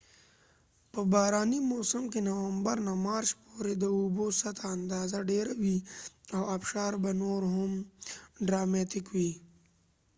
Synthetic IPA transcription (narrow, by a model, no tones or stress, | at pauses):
pɐbaːɾaːnimoːsəmkenɐwɐ̃mbəɾnamaːɾt͡ʃpoːɾed̪ɐuːbosɐt̪ʰaɐnd̪aːzaɖeːɾɐwiɐːɐpʃaːɾbɐnoːɾɦoːmɖɾaːmeːt̪ɪkɦuiː